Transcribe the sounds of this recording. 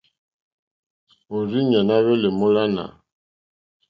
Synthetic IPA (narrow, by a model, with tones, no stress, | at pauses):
o˨ɾi˦ɲa˨na˦βɛ˦le˨mo˦la˦na̰˨